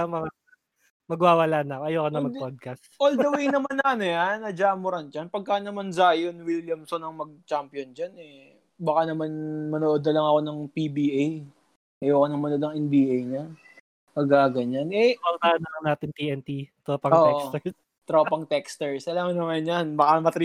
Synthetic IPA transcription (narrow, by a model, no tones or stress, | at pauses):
amɐŋa | mɐɡwaːwɐlaːnɐkoɐjoːkɐnɐmɐɡpod̪̚kɐst̪old̪ɐwiŋnɐmanːɐɐnojanːɐd͡ʒaːmʊɾɐnd͡ʒanpɐɡ̚kːanɐmanzaːjonwiljɐmsonɐŋmɐɡ̚t͡ʃampjond͡ʒanɛ | bɐkanɐmanmɐnoːʔod̪̚nɐlɐŋɐko̞nɐŋpibiʔaj | ʔɐjoːkɐnɐŋmɐnod̪ɐŋɛnbiːʔejɲɐ | pɐɡkaɡɐɲanʔɛɐt̪aːjnɐkɐnaːt̪ɪŋt̪iːʔɛnt̪it̪ɾoːpɐotːɛʔost̪ɛɹs | t̪ɾopɐŋt̪ɛkst̪ɛɹsɐlaːmɐnɐmanjanbɐkamɐt̪ɾi